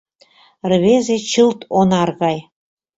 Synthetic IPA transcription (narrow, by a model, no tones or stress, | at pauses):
rβezet͡ɕɨlt̪ʰonɑrɣɑj